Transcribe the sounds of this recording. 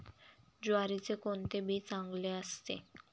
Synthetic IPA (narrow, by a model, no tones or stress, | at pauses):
d͡ʑoaɾit͡ɕekont̪ebit͡saŋɡleast̪ḛ